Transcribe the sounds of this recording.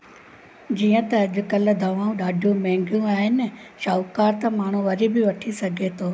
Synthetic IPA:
d͡ʑiːə̃t̪ɐːʄʊ̆kɐld̪ʱɐʋaːũɗaːɖʱijũmɛ̃ːŋɡʱjũaːɦɪnɪʃaːukaːɾt̪ɐ̃maːɳ̤ũʋɐɾibɪʋɐʈʰisɐɡʱet̪ʰoː

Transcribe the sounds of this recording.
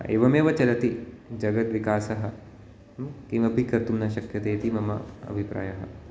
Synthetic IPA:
ḛːʋɐmeːʋɐt͡ʃɐlɐt̪id͡ʒɐɡɐt̪ʋikaːsɐɦɐ̆ | kĩŋʋɐbʱikɐɾt̪umnɐʃɐkjɐt̪eːt̪imɐmɐ̰ɐ̰bʱipɾa̰ːjɐɦɐ̰

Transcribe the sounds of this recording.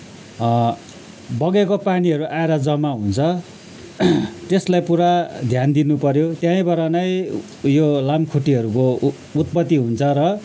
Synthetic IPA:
bʌɡekopaniɦʌɾuʔaeɾʌd͡zʌmaɦunt͡sʰʌ | t̪eslajpuɾad̪ʱjand̪inupʌɾjot̪jãj̃bʌɾʌnʌj | jolamkʰuʈiɦʌɾuko | ut̪̚pʌt̪ːiɦunt͡sʰʌɾʌ

